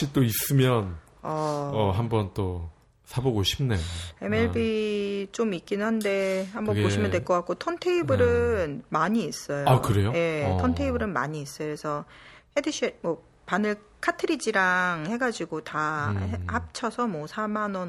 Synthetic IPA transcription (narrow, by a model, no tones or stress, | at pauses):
it͈ois͈ɯmjʌn | ʌʌɦambʌnt͈o | sʰaboɡoɕʰi̥mnee̞me̞ɭbit͡ɕomik͈inɯnɦande̞hambʌpoɕʰimjʌndweɭkʌk͈ak͈otʰʌntʰeibɯɾɯnmaɲiːs͈ʌjoakɯɾe̞joje̞tʰʌntʰeibɯɾɯnma̰ɲiːs͈ʌjoɾesʰʌhedɯɕʰimwʌ | panɯɭ | kʰatʰɯɾid͡ʑiɾaŋhe̞ɡad͡ʑiɡotaehap̚t͡ɕʰʌsʰʌmwʌsʰamanʌn